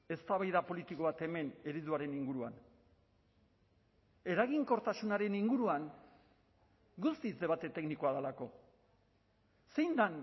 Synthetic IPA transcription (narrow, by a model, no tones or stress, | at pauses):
e̞st̪aβajðapo̞lit̪iko̞β̞at̪e̞me̞ne̞ɾiðuaɾe̞niŋɡuɾuan | e̞ɾaɣiŋko̞ɾt̪asunaɾe̞niŋɡuɾuaŋ | ɡust̪izd̪e̞βat̪e̞t̪e̞knikoaðalako̞ | se̞jnd̪an